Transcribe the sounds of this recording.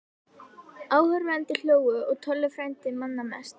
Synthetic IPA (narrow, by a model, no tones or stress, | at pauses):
aːwhœɾvɛnt̪ɪl̥joːwʏɔɣt̪ʰœlːʏfɾajnt̪ɪmanːamɛ̰st̪